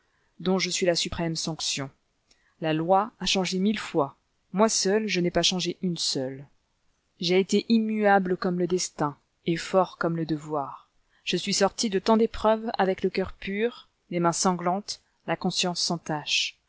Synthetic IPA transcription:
d̪ɔ̃ʒəsɥilasypχɛmsɑ̃ksjɔ̃ | lalwaaʃɑ̃ʒemilfwa | mwasœlʒənɛpaʃɑ̃ʒeʔynsœl | ʒeːt̪eʔimyabləkɔmləd̪ɛst̪ɛ̃ | efɔʁkɔmləd̪əvwaːʁ | ʒ̥əsɥisɔʁt̪id̪ət̪ɑ̃d̪epχœva̰vɛkləkʲœʁpyʁ | lemɛ̃sɑ̃ɡlɑ̃t̪ | lakɔ̃sjɑ̃sːɑ̃t̪aʃ

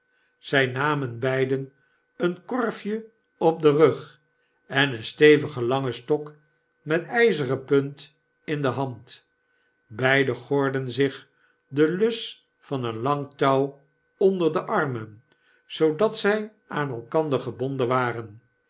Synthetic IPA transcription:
z̥ɛjnaːmənbɛjdən | ənkɔɹfjə | ɔp̚dərøχ | ɛnənstejvəχəlɑŋəstɔk | mɛtɛjzəʁəpɵnt | ɪndəɦɑnt | bɛjdəχoɹdənzɪχ | dəlɵs | fɑnənlɑŋtɑw | ɔndəʁdəʔɑrmən | z̥owdɑtsɛj | aːnɛlˠkɑnd̪ərχəbɔndəʋaːʁən

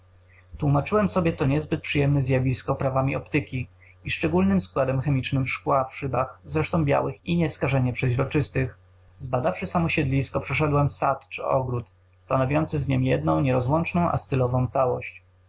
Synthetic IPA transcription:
t̪wumat͡ʂɘwɛmsɔbʲjɛt̪ɔɲɛzbɘt̪̚pʂɘjɛmnɛzʲjavʲiskɔpɾavamʲiɔpt̪ɘkʲi | iʂt͡ʂɛɡulnɘmskwad̪ɛmxɛmʲit͡ʂnɘmfʂkwafʂɘbaxzɾɛʂt̪ɔ̃w̃bʲja̰wɘxiɲɛskaʐɛɲɛpʂɛʑɾɔt͡ʂɘst̪ɘx | zbad̪afʂɘsamɔɕɛd̪lʲiskɔpʂɛʂɛd̪wɛmfsat̪t͡ʂɘ̰ɔ̰ɡɾut̪ | st̪anɔvʲjɔnt̪sɘzɲɛmjɛd̪nɔ̃w̃ɲɛɾɔzwɔnt͡ʂnɔ̃w̃ʔa̰st̪ɘlɔvɔ̃w̃t̪sawɔ̰ɕt͡ɕ

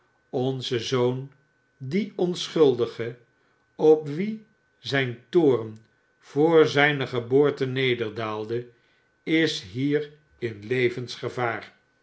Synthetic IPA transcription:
ɔnzəzown | diɔnsχɵlˠdəχə | ɔpʋi | zɛjntʊːrən | v̥ʊːɹzɛjnəχəboːɹtənejdəɹdaːlˠdə | ɪsɦiːr | ɪnlejvənsχəvaːr

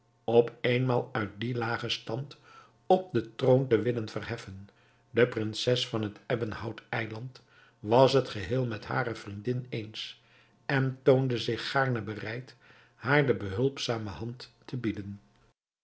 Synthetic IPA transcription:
ɔpejnmaːlˠœɥt̚dilaːχəstɑnt | ɔp̚dətrowntəʋɪlənvərɦɛfən | dəprɪnsɛsfɑnɦətɛbənhɑwtɛjlɑnt | ʋɑsɦətχəɦɪːlˠmɛtɦa̰ːɾəv̥rindɪnejns | ɛntowndəzɪχːaːɹnəbərɛjt | haːɹdəbəɦɵlˠpsaːməɦɑntː | əbidən

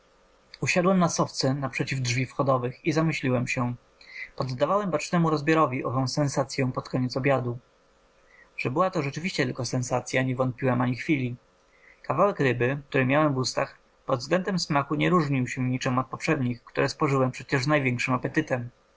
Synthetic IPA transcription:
uɕad̪wɛmnasɔft̪sɛnapʂɛt͡ɕivdʐvʲifxɔd̪ɔvɘxizamɘɕlʲiwɛmɕɛ | pɔd̪ːavawɛmbat͡ʂnɛmuɾɔzbʲjɔɾɔvʲiʔɔvɔ̃w̃sɛnsat̪sʲjɛ̃w̃pɔt̪kɔɲɛt̪sɔbʲjad̪u | ʐ̥ɛbɘwat̪ɔʐɛt͡ʂɘvʲiɕt͡ɕɛt̪ɘlkɔsɛnsat̪sʲjaɲɛvɔnt̪̚pʲiwɛmaɲixfʲilʲi | kavawɛkɾɘbɘk̚t̪uɾɘmʲjawɛmvust̪ax | pɔd̪vzɡlɛnd̪ɛmsmaxuɲɛɾuʐɲiwɕɛɲit͡ʂɛmat̪̚pɔpʂɛd̪ɲixkt̪uɾɛspɔʐɘwɛmpʂɛt͡ɕɛʐznajvʲɛŋkʂɘmapɛt̪ɘt̪ɛm

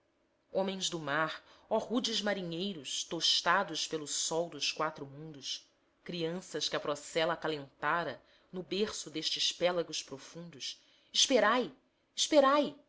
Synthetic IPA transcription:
õmẽj̃zd̪ʊmaɾɔhud͡ʒɪzmaɾiɲejɾʊst̪oʃt̪ad̪ʊspelʊsɔwd̪ʊskwat̪ɾʊmũnd̪ʊs | kɾiɐ̃sɐskɪɐpɾɔsɛlɐkalẽnt̪aɾɐ | nʊbeɾsʊd̪eʃt͡ʃɪspɛlɐɡʊspɾofũnd̪ʊs | iʃpeɾaj | iʃpeɾaj

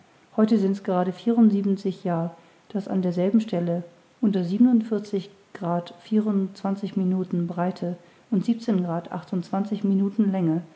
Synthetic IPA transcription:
hɔʏtəzɪntsɡ̥əʁaːɾəfiːʁʊntziːbn̩t͡sɪçjaːɐ | d̥asa̰ndeːɐzɛlbm̩ʃtɛlə | ʔʊntɐziːbənʊntfɪɐt͡sɪç | ɡ̥ʁaːtfiːʁʊnt͡sv̥ant͡sɪçminuːtn̩bʁaɪtʰə | ʔʊntz̥iːp̚t͡seːnɡʁaːtʔa̰χtʊntt͡sv̥ant͡sɪçminuːtn̩lɛŋə

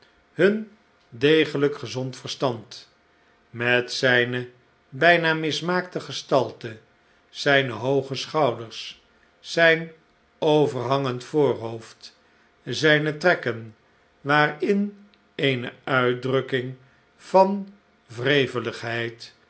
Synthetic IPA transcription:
hɵn | dejχələkχəzɔntfəɹstɑnt | mɛtsɛjnə | bɛjnaːmɪsmaːk̚təχəstɑlˠtə | sɛjnəɦowχəsχɑwdəɹs | sɛjn | owvərɦɑŋəntfʊːɹɦowft | zɛjnətrɛkən | ʋaːrɪn | ejnəœɥdrɵkɪŋ | v̥ɑn | vrejvələχɦɛjt

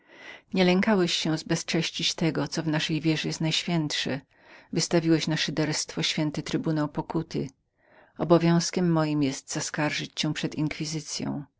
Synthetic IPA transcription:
ɲɛlɛŋkawɛɕːɛ̃w̃zbɛst͡ʂɛɕt͡ɕit͡ɕt̪ɛɡɔt̪sɔvnaʂɛjvʲjɛʐɛjɛst̪najɕfʲjɛnt̪ʂɛ | vɘst̪avʲiwɛɕnaʂɘd̪ɛɾst̪fɔɕfʲjɛnt̪ɘt̪ɾɘbunawpɔkut̪ɘ | ɔbɔvʲjɔ̃w̃skʲɛmːɔjimjɛst̪z̥askaɾʐɘt͡ɕɕɛ̃pʂɛd̪iŋkfʲizɘt̪sʲjɔ̰̃w̃

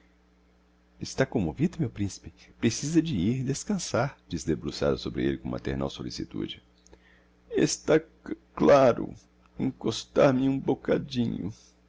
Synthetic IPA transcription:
ɪst̪akõmovid̪ɐmewpɾĩsi̥pɪpɾesizɐd͡ʒɪiɾd̪eskɐ̃saɾd͡ʒisd̪ebɾusa̰d̪ɐsobɾɪelɪkõma̰t̪ḛɾna̰wsolisit̪ṵd͡ʒɪ | ḛst̪a | klaɾʊ̰ | ẽkost̪aɾmɪũbokad͡ʒĩɲʊ̰

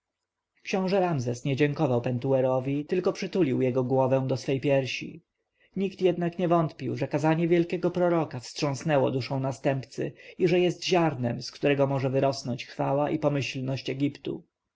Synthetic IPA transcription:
kɕɔ̃w̃ʐɛɾamzɛsɲɛd͡ʑɛŋkɔvawpɛnt̪uɛɾɔvʲit̪ɘlkɔpʂɘt̪ulʲiwjɛɡɔɡwɔvɛ̃w̃d̪ɔsfɛjpʲjɛɾɕḭ | ɲikt̪jɛd̪nakɲɛvɔnt̪pʲiwʐɛkazaɲɛvʲjɛlkʲɛɡɔpɾɔɾɔkafstʂɔ̃w̃snɛwɔ̰d̪uʂɔ̃w̃nast̪ɛmpt̪sɘ̰iʐɛjɛst̪ʑaɾnɛmskt̪uɾɛɡɔmɔʐɛvɘɾɔsnɔɲt͡ɕxfawaʔipɔmɘɕlnɔɕt͡ɕɛɡʲipt̪ṵ

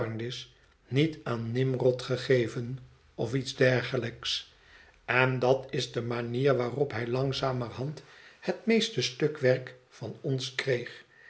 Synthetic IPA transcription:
ndɪs | nitaːnːɪmrɔtχəχejvən | ɔfitzdɛɹχələks | ɛndɑtɪzdəmaniːɹʋaːrɔpɦɛjlɑŋzaːmərɦɑnthətmejstəstɵkʋɛɹkfɑnɔnskrejχ

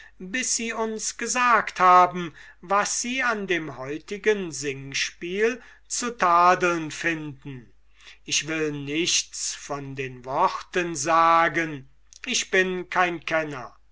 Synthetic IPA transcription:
bɪsz̥iːʊnsɡ̥əzaːkthaːbm̩ | vasz̥iːandeːmhɔʏtɪɡənzɪŋʃpiːl | t͡sutʰaːdəlnfɪndn̩ | ʔɪʃv̥ɪlnɪʃt͡sfɔndeːnvɔχtənzaːɡən | ʔɪʃb̥ɪnkʰaɪnkʰɛnɐ

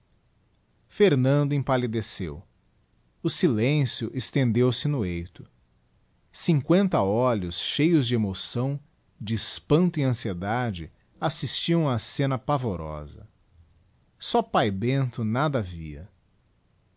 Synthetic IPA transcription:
feɾnɐ̃nd̪ʊẽpalid̪esḛw | ʊsilẽsjʊʔest̪ẽnd̪ewsɪnʊejt̪ʊ | sĩŋkwẽnt̪ɐɔlʊsʃejʊzd͡ʒɪemosɐ̃w̃ | d͡ʒɪːspɐ̃nt̪ʊiɐ̃sied̪ad͡ʒɪ | asist͡ʃiɐ̃w̃asẽnɐpavoɾɔ̰zɐ̰ | sɔpajbẽnt̪ʊnad̪ɐvḭɐ̰

